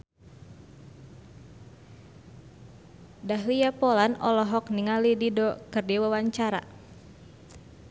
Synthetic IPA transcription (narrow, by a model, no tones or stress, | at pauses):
daɦlijapɔlanɔ̰lɔɦɔk̚niŋalididɔkɨrdiwawaɲt͡ʃaɾa̰